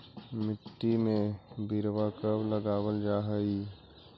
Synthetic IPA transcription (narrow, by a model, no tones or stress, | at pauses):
mɪʈ̪ːimẽbiɾwakəbləɡaːwəld͡ʒaːɦəi